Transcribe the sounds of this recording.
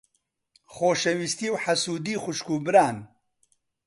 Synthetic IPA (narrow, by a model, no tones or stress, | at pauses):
χoːʃɛwist̪iːwħasuːd̪iːxʊʃkuːbɨɾaːn